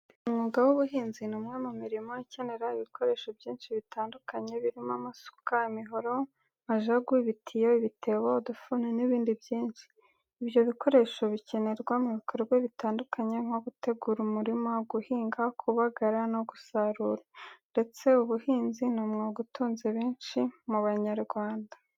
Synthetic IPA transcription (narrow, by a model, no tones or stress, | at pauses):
umŋuːɡawuβuɦiːnzinomŋamumiɾimoice̞ne̞ɾaiβikʰo̞ɾe̞ːʃo̞bjiːnʃiβitʰaːndukaɲe̞βiɾimamaso̥kaimiɦo̞ɾo̞ | maʒaɡwiβitʰijo̞iβitʰe̞βo̞dufuneniβiːndibjiːnʃi̥ː | bjo̞βiko̞ɾe̞ʃo̞βice̞ne̞ɾɡwamuβikoɾɡweβitaːndukʰaɲe̞ŋ̥o̞ɡute̞ɡuɾumuɾimoɡuhiːŋɡakʰuβaɡaɾano̞ɡusaɾuɾande̞t͡se̞uβuhiːnzinomŋoɡutuːnzeβeːnʃimuβaɲaɾɡwaːnda